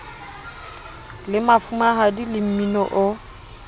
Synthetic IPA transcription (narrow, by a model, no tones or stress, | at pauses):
lɪmafumaɦadilɪm̩minɔʔɔ